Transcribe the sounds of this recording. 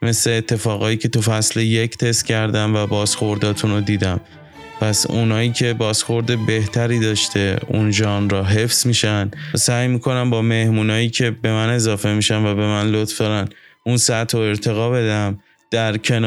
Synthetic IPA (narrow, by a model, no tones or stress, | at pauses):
me̞sleːt̪ʰːe̞fɒːɣɒːjiːcʰe̞t̪ufæslejecʰt̪ʰe̞st̪cʰæɾd̪æmvæbɒːzxo̞ɾd̪ɒːt̪ʰunod̪iːd̪æm | pʰæsunɒːjiːcʰe̞bɒːsxo̞ɾd̪e̞be̞ht̪ʰæɾiːd̪ɒːʃt̪ʰe̞unʒɒːnɾɒːɦe̞fsmiːʃænd̪sæjmiːkʰo̞næmbɒːme̞hmuːnɒːjiːcʰe̞be̞mæne̞zɒːfe̞miːʃænvæbe̞mænlot̪fd̪ɒːɾæn | unsæt̪ʰɾoe̞ɾt̪ʰe̞ɣɒːbe̞d̪æm | d̪̥æɾcʰe̞n